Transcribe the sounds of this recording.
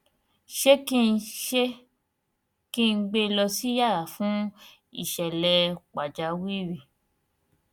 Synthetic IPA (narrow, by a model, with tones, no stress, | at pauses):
ʃe˦ki˦n̩˧ʃe˦ | kĩ˦˧n̩˦ɡ͡be˧lɔ˧si˦ja˦˨ɾa˨˦fũ˦ | ḭ˦˨ʃɛ˨lɛ˧k͡pa˨d͡ʒa˨˦wi˦ɾi˨